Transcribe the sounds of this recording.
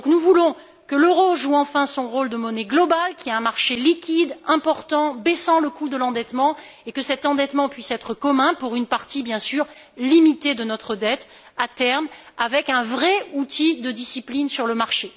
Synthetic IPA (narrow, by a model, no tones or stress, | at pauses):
d̪ɔ̃knuvulɔ̃ | kəløʁoʒuɑ̃fɛ̃sɔ̃ʁold̪əmɔnɛɡlɔbalkʲiaɛ̃maʁʃelikʲid̪ɛ̃pɔʁt̪ɑ̃bɛsɑ̃ləkud̪əlɑ̃d̪ɛt̪mɑ̃ekəsɛt̪ɑ̃d̪ɛt̪mɑ̃pɥisɛt̪χəkɔmɛ̃puʁynpaʁt̪ibjɛ̃syːʁ | limit̪ed̪ənɔt̪χəd̪ɛt̪ | at̪ɛʁm | avɛkɛ̃vʁɛut̪id̪əd̪isiplinsyʁləmaʁʃe